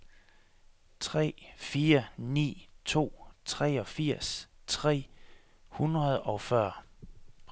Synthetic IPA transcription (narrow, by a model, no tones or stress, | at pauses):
t͡sʰʁɛ̰ːfiːɐnḭːt͡sʰo̝̰ːt͡sʰʁɛ̰ːɒ̽fiɐ̰st͡sʰʁɛ̰ː | hunʁɐð̩ˠɒ̽fɶɐ̰